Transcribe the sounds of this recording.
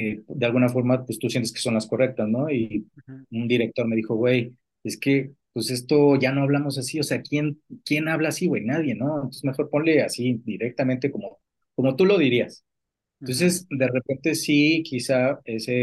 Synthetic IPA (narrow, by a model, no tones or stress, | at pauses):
ed̪ealɣunafo̞ɾmapwest̪usijent̪e̥skeso̞nlasko̞re̞k̚t̪asno̞i | und̪iɾe̞k̚t̪o̞ɾme̞ðixo̞ɣwe̞j | e̞ske̞pwese̞st̪o̞ʝano̞aβlamo̞s̬asio̞se̞akje̞nkje̞naβlaːsiwe̞jnað̞je̞no̞ent̪onsezme̞xo̞ɾpo̞nle̞asid̪iɾek̚t̪ament̪e̞ko̞mo̞ | ko̞mo̞t̪ulo̞ð̞iɾias | nt̪o̞ns̬e̞sd̪e̞re̞pe̞nt̪e̞sikʰisaese